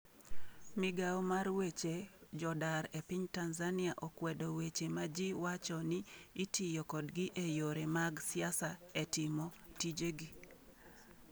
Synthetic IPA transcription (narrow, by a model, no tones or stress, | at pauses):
mɪɡawmarwet͡ʃed͡ʒɔdaɾepɪɲtanzanɪaʔɔkwɛdɔwet͡ʃemad͡ʒiwat͡ʃɔnɪitijɔkɔdɡiʔejoɾemaɡsɪasaetɪmɔtid͡ʒeɡi